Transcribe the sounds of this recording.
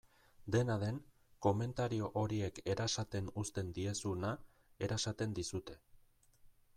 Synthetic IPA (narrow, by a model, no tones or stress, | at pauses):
d̪e̞naðe̞ŋ | ko̞me̞nt̪aɾio̞ʔoɾie̞ke̞ɾasat̪e̞nust̪e̞nd̪ie̞suna | e̞ɾasat̪e̞nd̪isut̪e̞